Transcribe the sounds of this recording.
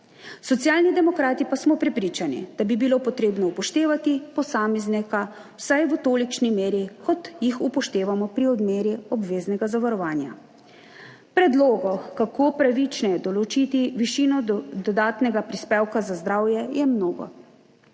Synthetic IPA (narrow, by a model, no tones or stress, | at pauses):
sɔt̪sijaːlnid̪ɛmɔkɾaːt̪ipasmɔpɾɛpɾiːt͡ʃanḭd̪̥abibilopɔt̪ɾeːbnɔupɔʃt̪eːʋat̪ipɔsaːmɛznɛka | wsajʋət̪olit͡ʃnimeːɾikɔt̪jixupɔʃt̪eːʋamɔpɾiɔd̪meːɾiɔbʋeːznɛɡazaʋaɾɔʋaːnja̰ | pɾɛd̪loːɡɔkakopɾaʋit͡ʃnɛjɛd̪ɔlɔt͡ʃit̪iʋiʃinɔd̪ɔd̪aːt̪nɛɡapɾispɛwkazazd̪ɾaːwjɛjɛmnoːɡɔ̰